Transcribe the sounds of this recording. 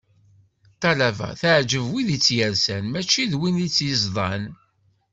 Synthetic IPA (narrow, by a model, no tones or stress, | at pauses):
t̪ɑlævæ̰θəʕd͡ʒəvwiðit͡sːjəɾsænmæt͡ʃːiðwinit͡sːjəzðˤɑn